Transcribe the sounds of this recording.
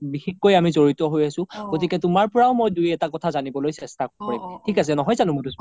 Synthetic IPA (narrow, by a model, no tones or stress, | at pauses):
bixixkːojamizoɹitɔɦojasʊ̃ɡ̥ot̬ikɛtʊmaɹpɔɹaʊmojdujɛtakɔtʰazanibɔlojsɛstakoɹimtʰikas̬ɛnɔɦɔjzanʊmutu